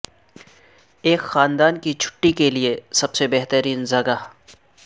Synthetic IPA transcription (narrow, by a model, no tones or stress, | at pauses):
eːkxaːnd̪aːnkit͡ʃʰʊ̥ʈːikeliesɐbsebeːɦt̪əɾiːnzɐɡaː